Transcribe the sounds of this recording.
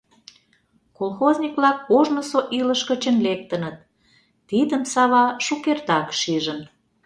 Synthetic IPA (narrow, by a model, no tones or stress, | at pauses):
kolxozʲnʲikβlɑkːoʒməsoʔiləʃkə̆t͡ɕə̆nlek̚t̪ə̆nət̪̚ː | id̪əmsɑβɑʃukert̪ɑkʃiʒən